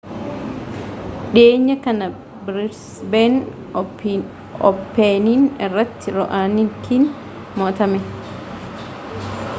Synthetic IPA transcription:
ᶑeːɲːɐkɐnɐ | bɾɪsben | ɔpːeːniːnɛrːɐt̪ːɪɾɔʔaːnɪŋkʰin | moːt̪ɐmɛ

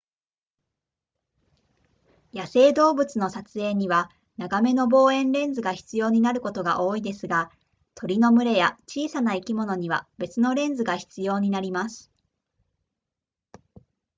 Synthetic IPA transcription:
jase̞ːd̪o̞ːbɯ̟t͡sɨno̞sat͡sɨe̞ːɲ̟iβa | naɡame̞no̞bo̞ːẽ̞nɾẽ̞nd͡zɨɡaçi̥t͡sɨjo̞ːɲ̟inaɾɯ̟ko̞t̪o̞ɡaʔo̞ːid̪e̞sɨɡa | t̪ʰo̞ɾʲino̞mɯ̟ɾe̞jat͡ɕiːsanaikʲimo̞no̞ɲ̟iβab̥e̞t͡sɨno̞ɾẽ̞ñd͡zɨɡaçi̥t͡sɨjo̞ːɲ̟inaɾʲimasɨ̥

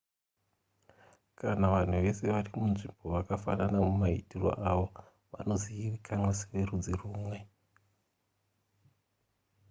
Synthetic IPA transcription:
kanaʋan̤uʋe̞se̞ʋarimunʐimbo̞ʋakafa̰nanamumaḭtiro̰ʔaʋo̞ | ʋa̰no̞ziiʋikʰanwasʋerud͡ziruːmwe̞

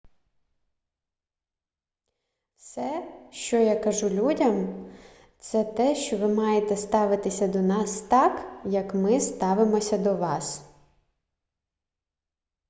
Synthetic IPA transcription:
sɛʃt͡ʃɔjakɐʒulʲudʲɐm | t̪sɛt̪ɛʃt͡ʃɔʋɪmɑjet̪ɛst̪ɑʋɪt̪ɪsʲɐd̪ɔnɑst̪ɑkjɐkmɪst̪ɑʋɪmɔsʲɐd̪ɔʋɑs

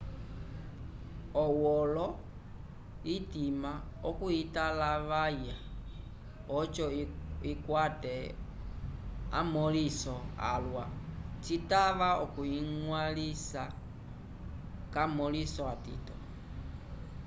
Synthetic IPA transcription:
ɔwɔlɔ | itimaɔkuitalaʋaja | ɔt͡ʃɔikwatɛ | a̰mɔlisɔa̰lwat͡sitaʋaɔ̰kuiŋwalisa | kamɔlisɔatḭtɔ̰

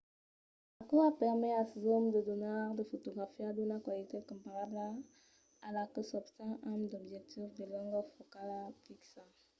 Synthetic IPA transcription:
akuapɛʁmɛasezɔmd̪əd̪ɔnaʁd̪əfot̪oɡʁafiad̪ɔnakwalit̪ekɔ̃mpaʁabla | alakəsɔbst̪ãʔamd̪ɔbʒɛk̚t̪ʰifd̪elɔ̃ŋɡɔfokalafiksã

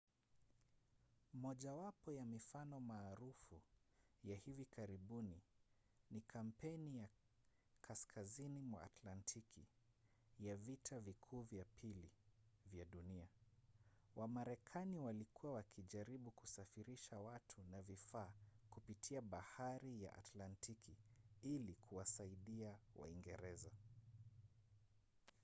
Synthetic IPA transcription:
mɔʄawapɔjamifanɔmaːɾufujahivikʰaɾiɓuni | nikʰam̩pɛnija | kʰaskʰazinimwa̰a̰tlantʰikʰi | javitʰavikʰuːvjapʰilivjaɗunia | wʔamaɾɛkʰaniwalikuwawakʰiʄaɾiɓukusafiɾiʃawatʰunavifaːkupitʰiaɓahaɾija̰ʔa̰tlantʰikʰiilikʰuwasaiɗiawa̰iŋɡɛɾɛza

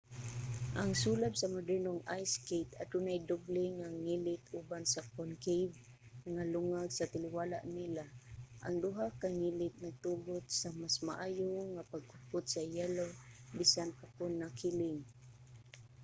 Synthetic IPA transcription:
ʔaŋsulat̪samadəɹnʊŋajskejt̪a̰t̪ʊnajd̪ʊblɪŋaŋilɪt̪ubansakonkejv | ŋalʊŋaɡsat̪ɪliwala̰ʔnilaʔa̰ŋd̪uɦakaŋilɪt̪̚naɡ̚t̪ubʊt̪̚samasmaʔajʊŋapaɡ̚ʊpʊt̪̚sajalobisanpakʊnːakilɪŋ

